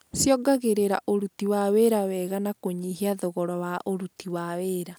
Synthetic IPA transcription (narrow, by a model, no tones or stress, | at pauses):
sjɔɡaɣeɾeɾa̰ʔoɾutiwaweɾawɛɣanakoɲiɦiaðoɣɔɾɔwaʔoɾutiwaweɾa